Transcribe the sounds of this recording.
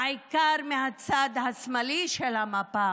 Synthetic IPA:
ɐjkaːɾmeɦɐt̪sad̪ɦɐsmɐliʃelamapa

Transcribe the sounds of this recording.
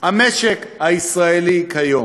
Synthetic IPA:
amɛʃɛkʰaisʁaelikʰajo

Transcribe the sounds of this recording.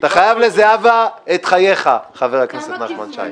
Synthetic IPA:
at̪aχajavlezeavaet̪χaje̞χaχaveʁakneset̪naχmanʃa̰ji

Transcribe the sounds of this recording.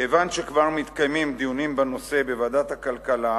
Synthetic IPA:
evanʃekvaʁmit̪kajmimd̪ijunimbano̞se̞bevad̪at̪hakalkala

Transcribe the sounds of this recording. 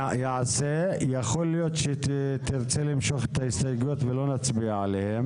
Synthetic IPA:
jeʕasejaχo̞lːijo̞t̪ʃet̪iʁt͡selimʃo̞χet̪ahist̪ajɡut̪velo̞nat͡sbiaʕalehem

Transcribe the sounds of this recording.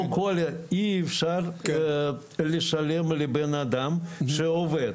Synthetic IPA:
kʰoleiːfʃar | leʃalemlebenad̪amʃeoved̪

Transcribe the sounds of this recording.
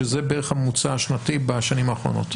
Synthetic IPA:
ezebeʁeχhamut͡saaʃnatibaʃanimaːχʁo̞̰no̞̰t

